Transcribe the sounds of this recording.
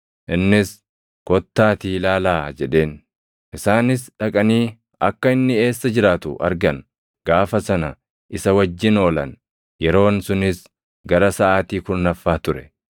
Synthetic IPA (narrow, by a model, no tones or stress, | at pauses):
ʔɪnːɪs | kɔt̪ːaːt̪iːlaːlaːd͡ʒɛᶑe̞ːn | ʔɪsaːnɪsᶑɐkʼɐniː | ɐkːɐɪnːɪe̞ːsːɐd͡ʒɪɾaːt̪ʊ̰ʔɐ̰ɾɡɐn | ɡ̥aːfɐsɐnɐ | ʔɪsɐwɐd͡ʒːɪno̞ːlɐn | jɛɾo̞ːnsʊnɪs | ɡɐɾɐsɐʔaːt̪iːkʊnnɐfːaːt̪ʊɾɛ